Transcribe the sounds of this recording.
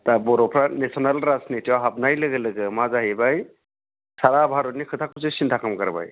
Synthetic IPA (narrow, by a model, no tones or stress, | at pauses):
tabɔɾɔpʰɾanesɔnalɾasnitiawɦab̚najlɯɡɯlɯɡɯmazaɦibaj | saɾabʱaɾɔtnikʰɯt̪ʰakʰusisintʰakamkaɾba̰j